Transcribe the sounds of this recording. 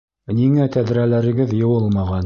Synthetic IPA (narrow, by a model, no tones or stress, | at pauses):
niŋæt̪æðɾælæɾɘ̆ɡɘðjɤ̆wɤlˠmɑʁɑn